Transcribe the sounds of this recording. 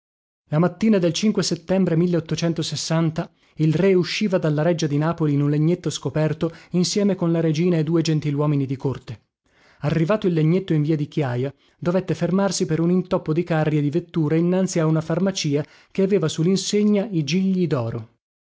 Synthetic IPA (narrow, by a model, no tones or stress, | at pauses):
lamat̪ːiːnad̪elt͡ʃiŋkweset̪ːɛmbɾemilːeot̪ːot͡ʃɛnt̪osesːant̪a | ilreuʃːiːvad̪alːaɾɛd͡ʒːad̪inaːpoliːnunleɲːet̪ːoskopɛrt̪oinsjɛːmekonlaɾed͡ʒiːnaed̪ːuːed͡ʒent̪ilwɔːminid̪ikort̪e | arːivaːt̪oilːeɲːet̪ːoiɱviːad̪ikjaːja | d̪ovet̪ːefermarsipeɾunint̪ɔpːod̪ikarːjed̪ivet̪ːuːɾeinːant̪siaunafarmat͡ʃiːa | keaveːvasulːinseɲːaid͡ʒiʎːid̪ɔːɾo